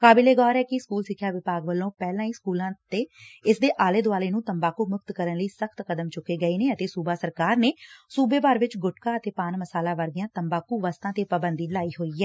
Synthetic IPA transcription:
kaːbɪleːɡɔːɾɛːkɪskuːlsɪkʰːjaːʋɪpaːɡʋəlːõːpɛːlãːiːskuːlãːt̪eːɪsd̪eːʔaːleːd̪ʊaːleːnũːt̪əmbaːkuːmʊkt̪kəɾənləiːsəkʰt̪kəd̪əmt͡ʃʊkːeːɡəiːneːət̪eːsuːbaːsəɾkaːɾneːsuːbeːbaːɾʋɪt͡ʃɡʊʈkaːət̪eːpaːnməsaːlãːʋəɾɡɪjãːt̪əmbaːkuːʋəst̪ãːt̪eːpəbənd̪iːlaːiːɦoːiːɛː

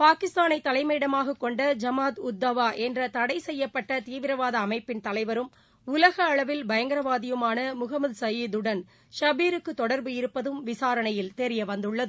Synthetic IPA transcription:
paːkɪst̪aːnɐɪt̪ːɐlɐɪmɐjɪɽɐmaːɣɐkːɔɳɖɐd͡ʒɐmaːd̪ʊd̪ːɐʋaːʔɛndrɐt̪ɐɽɐɪsɛjːɐpːɐʈːɐt̪iːʋɪɾɐʋaːðɐːmɐɪpːɪnt̪ɐlɐɪʋɐɾɯm | ʊlɐɣɐːɭɐʋɪlbɐjɐŋɡɐɾɐʋaːðɪjɯmaːnɐmʊɣɐmɐðsɐjid̪ɯɽɐn | ʃɐbiːɾɯkːɯt̪ːɔɽɐɾbɯɪɾɯpːɐðɯmʋɪsaːɾɐɳɐjɪlt̪ɛɾɪjɐʋɐnd̪ɯɭːɐðɯ

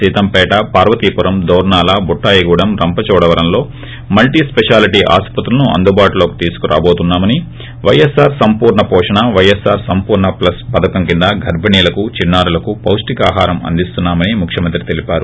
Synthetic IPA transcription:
iːt̪ɐmpɛːʈɐpaːɾʋɐt̪iːpuɾɐmd̪ɐːɾɳaːlaːbuʈːaːjɐɡuːɽɐmɾɐmpɐt͡ʃɔːɽɐʋɐɾɐmlo̞ː | mɐlʈiːspeʂaːliʈiːʔa̰ːspɐt̪ɾulɐnuʔɐ̰nd̪ubaːʈlo̞ːku̥t̪iːsu̥kuɾʔa̰ːbo̞ːt̪unːaːmɐni | ʋɐjesaːɾsɐmpuːɾɳɐpɔːʂɐɳɐʋɐjesaːɾsɐmpuːɾɳɐplɐspɐd̪ɐkɐmkind̪ɐɡʱɐɾbʱɐniːlɐkut͡ʃinːaːɾulɐkupɐwsʈikaːɦaːɾɐmɐ̰nd̪ist̪unːaːmɐnimukʰʃjɐmɐnt̪ɾit̪e̞lipaːɾu

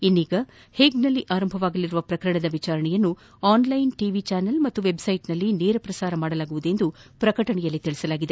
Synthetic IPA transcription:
inːiːɡɐ | heːɡnɐlːiʔaːɾɐmbʱɐʋaːɡɐlːiɾuʋɐpɾɐkɐɾɐɳɐd̪ɐʋit͡ʃaːɾɐɳɛjɐnːu | aːnlɐjnʈiʋit͡ʃaːnɐlmɐt̪ːuʋe̞bsɐjʈnɐlːineːɾɐpɾɐsaːɾɐmaːɽɐlaːɡuʋud̪e̞nd̪upɾɐkɐʈɐɳɛjɐlːit̪iɭisɐlaːɡid̪e̞

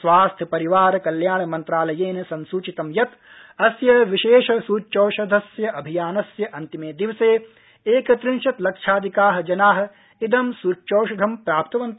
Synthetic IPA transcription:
sʋaːst̪ʰjɐpɐɾiʋaːɾkɐljaːɳɐmɐnt̪ɾaːlɐjeːnɐsɐnsuːt͡ʃit̪ɐmjɐt̪ | ɐsjɐʋiʃeːʃɐsuːt͡ʃoːʃɐd̪ʱɐsjɐʔɐbʱijaːnɐsjɐʔɐnt̪imeːd̪iʋseː | eːkɐt̪ɾɪnʃɐt̪lɐkʂʰaːd̪ʱikaːɦɐ̆d͡ʒɐnaːɦɐ̆ | id̪ɐmsuːt͡ʃoːʃɐd̪ʱɐmpɾaːpt̪ɐʋɐnt̪

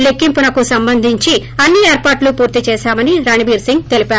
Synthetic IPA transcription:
lekːimpunɐkusɐmbɐnd̪ʱiɲt͡ʃi | ɐnːieːɾpaːʈlupuːɾt̪it͡ʃɛːʃaːmɐniɾɐnibiːɾsiŋɡ̚t̪e̞lipaːɾu

